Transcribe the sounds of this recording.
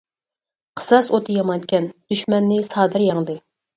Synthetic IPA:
qʰə̥sɑsot̪ʰɨjɑmɑnt̪kʲɛnd̪̥yʃmɛnːɪsɑːd̪ɨɾjɑŋd̪ɨ

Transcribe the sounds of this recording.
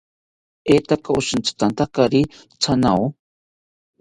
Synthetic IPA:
et̪akaʊʃɨnt͡sḁt̪ant̪akaɾi | t͡sʰanaw

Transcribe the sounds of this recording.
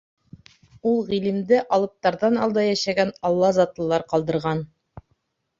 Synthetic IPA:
ulˠʁilɘmd̪ɘʔɑlˠɤ̆p̚t̪ɑɾðɑnɑlˠd̪ɑjæʃæɡænɑlˠːɑzɑt̪ɤ̆lˠɑɾqɑlˠd̪ɤ̆ɾʁɑn

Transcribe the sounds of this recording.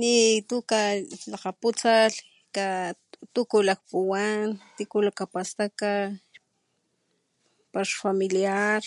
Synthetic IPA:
nit̪ukalaqaput͡sal | ka | t̪ukulak̚puwant̪ikulakapast̪aka | paʃfamiliaɾ

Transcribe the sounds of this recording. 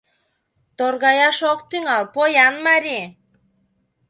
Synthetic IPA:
t̪orɣɑjɑʃok̚t̪yŋɑlpojɑnmɑɾʲi

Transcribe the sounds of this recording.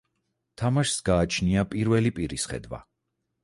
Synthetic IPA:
t̪ʰamaʃsɡaːt͡ʃʰniapʼiɾvɛlipʼiɾisχɛ̰d̪wa̰

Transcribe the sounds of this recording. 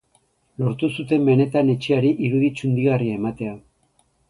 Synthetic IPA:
lo̞ɾt̪usut̪e̞mbe̞ne̞t̪ane̞t͡ʃeaɾiʔiɾuðit͡sund̪iɣariaemat̪e̞a

